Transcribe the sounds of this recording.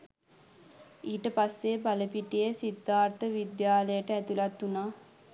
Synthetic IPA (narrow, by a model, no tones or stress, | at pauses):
iːʈəpasːebaləpiʈijəsid̪ʱːaːɾt̪əʋid̪jaːləjəʈəæt̪ulat̪ːunaː